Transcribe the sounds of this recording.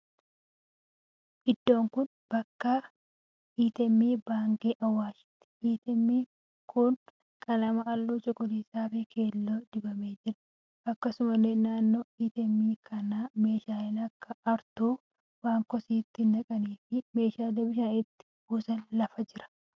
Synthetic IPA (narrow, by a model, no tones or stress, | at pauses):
ʔɪd̪ːo̞ːŋkʊn | b̥ɐkːɐ | ʔiːt̪ɛmːiːbaːŋkʼiːʔɐwːaːʃɪ̥t̪ːɪ̥ʔiːt̪ɛmːiː | kʰʊn | kʼɐlɐmɐɐlːuːt͡ʃʼɔkɔliːsaːfekʰe̞ːlːoːd̪ɪbɐmeːd͡ʒɪɾɐ̥ | ɐkːɐsʊmɐleːnaːnːoːiːt̪ɛmːiːkʰɐnaːme̞ːʃaːlɪnɐkːɐɐɾt̪uː | baːŋkɔsiːt̪ːɪndɐkʼɐniːfɪme̞ːʃaːlɛbɪʃaːnɪt̪ːɪ̥buːsɐnlɐfɐd͡ʒɪɾɐ̥